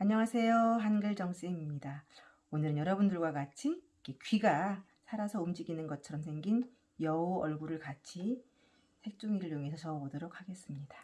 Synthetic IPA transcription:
aɲʌŋasʰe̞joɦanɡɯɭd͡ʑʌŋɕ͈iɲimɲida | onɯɾɯnjʌɾʌbundɯɭɡwaɡat͡ɕʰi | kʰekɥiɡa | sʰaɾasʰʌumd͡ʑiɡinɯnɡʌt͡ɕʰʌɾʌmsʰe̞ŋɡin | jʌoʌɭɡuɾɯɭkat͡ɕʰi | sʰe̞k̚t͡ɕ͈uŋiɾɯɭjoŋe̞sʰʌt͡ɕʰʌʌbodoɾok̚ʰhaɡe̞s͈ɯmɲida

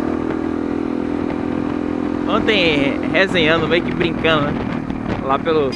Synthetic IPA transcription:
õt̪ẽj̃ | ɦezẽjɐ̃d̪ʊmejʊkɪbɾĩkɐ̃d̪ʊnɛ | lapelʊ

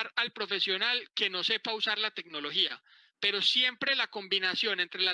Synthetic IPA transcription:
ɾalpɾo̞fe̞sjo̞nalke̞no̞se̞pausaɾlat̪e̞kno̞lo̞xia̰ | pe̞ɾo̞sje̞mpɾe̞lako̞mbinasjo̞ne̞nt̪ɾe̞la

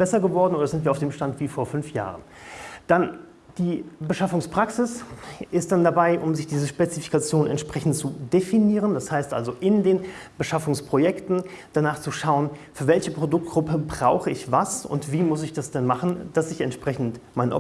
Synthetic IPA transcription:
b̥ɛsɐɡəvɔɐdn̩ʔoːdɐzɪntviːɐaʊfd̥eːmʃtantv̥iːfoːɐfʏnfja̰ːʁən | d̥an | d̥iːbəʃafʊŋspʁ̥aksɪsʔɪstd̥andabaɪʔʊmzɪçd̥iːzəʃpet͡sifi̥kat͡sjoːnɛ̰ntʃpʁ̥ɛçn̩tt͡sudefiniːʁənd̥ashaɪstʔa̰lzoʔɪndeːn | b̥əʃafʊŋspʁ̥ojɛktn̩d̥anaːχt͡suʃaʊənfyːɐvɛlçəpʁ̥odʊk̚t̚ɡ̥ʁʊpəbʁaʊxəɪçvasʊ̰ntv̥iːmʊs̬ɪçd̥asd̥ɛnmaχn̩d̥asɪçɛ̰ntʃpʁ̥ɛçn̩tmaɪnʔ

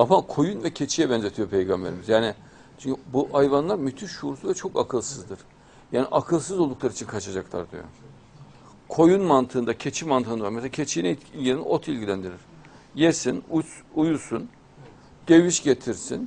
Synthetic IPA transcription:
amakʰo̞junvɛcʰe̞t͡ʃʰijɛbɛnzeijo̞pʰe̞jɡambe̞ɾimizjaːni | t͡ʃʰyɲcybuʔajvanlˠaɾmyt̪ʰyʃuɾusuvɛt͡ʃʰo̞kakʰɯlˠsɯzd̪ɯɾ̥ | jaːniʔakʰɯlˠsɯzo̞lˠd̪uklˠaɾɯit͡ʃʰinkʰat͡ʃʰad͡ʒaklˠa̰ɾd̪y̰jo̰ | kʰo̞junmant̪ʰɯːnd̪acʰe̞t͡ʃʰimant̪ʰɯːnavaɾmeselacʰet͡ʃʰijnɛɟeɾinḭʔot̪ʰilʲɟilʲænd̪iɾiɾ̥ | jesinuujusun | ɟ̥eviʃɟe̞t̪ʰiɾsin

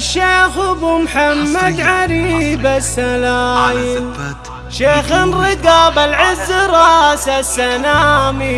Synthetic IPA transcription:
ʃeːxʊbumħamːad̪ʕaɾiːbasːalaːjɪn | ʃeːxɪnɾɪɡaːbalʕɪzːɾˤɑːsasːanaːmi

